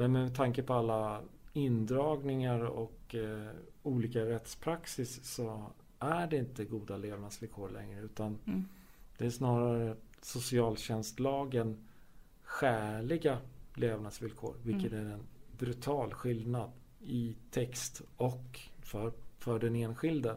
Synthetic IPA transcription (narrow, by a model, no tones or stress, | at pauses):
mɛnmɛt̪ʰːaŋkəpʰɔalːaɪnd̪ɾɑːɡnɪŋaɾɔ̰k | uːliːkaɾɛt̪spʰɾaksɪsːɔ | ʔæɖɛɪnt̪əɡuːd̪aleːvnad̪svɪlkʰoːɾɭɛ̰ŋɾəʉ̟ːt̪an | d̪̥ɛæʂnɑːɾaɾə | sʊsɪɑːlɕɛnst̪lɑːɡən | ɧæːɭɪɡaleːvnad̪svɪlkʰo̰ːɾvɪlkət̪æɾɛnbɾɵt̪ʰɑːlɧɪld̪nad̪ | ɪt̪ʰɛkst̪ɔkfœɾfœɖɛneːnɧɪld̪ə